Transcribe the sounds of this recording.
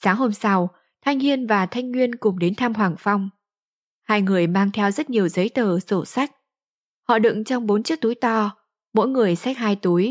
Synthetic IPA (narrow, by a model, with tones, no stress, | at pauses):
saː˨˦ŋɦo˧msa˧w | t̪ʰa˧jŋ̟hi˧ənvaː˨˩t̪ʰa˧jŋ̟ŋwi˧ənkʊ˨˩ŋ͡mɗe˨˦nt̪ʰaː˧mɦwaː˨˩ŋfa˧wŋ͡m | haː˧jŋɨ˨˩əjmaː˧ŋt̪ʰɛ˧wzə˦˥t̚ɲi˨˩əwzə˨˦jt̪əː˨˩so˧˩sa˦˥jk̟̚ | hɔ̰˧˨ɗɨ̰˧˨ŋt͡ɕɔ˧wŋ͡mɓo˨˦nt͡ɕɨ˦˥ək̚t̪u˨˦jt̪ɔ˧ | mo̰˧˥jŋɨ˨˩əjsa˦˥k̟̚haː˧jt̪u˨˦əj